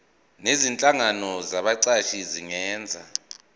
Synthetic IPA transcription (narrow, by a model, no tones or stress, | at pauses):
nezint͡ɬʼaŋanɔzaɓaǀaʃiziŋɛːnd͡zʱa